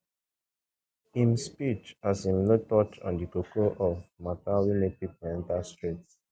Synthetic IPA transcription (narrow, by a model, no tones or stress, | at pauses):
ĩmspit͡ʃasĩmlət̪ɔtɔ̰̃nd̪ikokoʔɔfmat̪awinepik̚mɛ̃nt̪asʈɾits